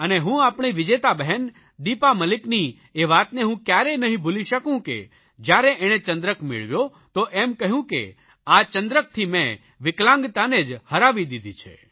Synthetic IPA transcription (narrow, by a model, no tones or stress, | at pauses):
əneɦũapɳ̃iʋɪd͡ʒet̪abəɦɛn | d̪ipaməlɪkni | eʋat̪neɦũkjaɾenəɦĩbʱuliʃəkũkḛ | d͡ʒjaɾeʔeɽ̃et͡ʃə̃nd̪ɾəkmɪ̰ɭʋjo | t̪oʔɛmkəɦjũkḛ | at͡ʃənd̪ɾək̚t̪ʰimẽ | ʋɪklãŋɡt̪aned͡ʒhəɾaʋid̪id̪it͡ʃʰḛ